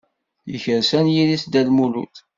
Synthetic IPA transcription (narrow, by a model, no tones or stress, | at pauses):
jə̰çəɾsænjiɾisd̪ælmulṵt̪